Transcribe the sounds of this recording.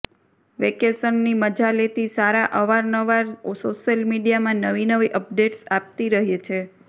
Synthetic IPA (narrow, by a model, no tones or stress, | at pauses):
ʋekesənːiməd͡ʒalet̪isaɾaʔəʋaɾnəʋaɾsoʃjəlmiɖijamãnəʋinəʋiʔəp̚ɖeʈsap̚t̪iɾəɦet͡ʃʰe